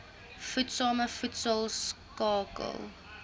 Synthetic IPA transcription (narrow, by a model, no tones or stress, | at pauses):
futsɑːməfutsəlˠskɑːkə̰lˠ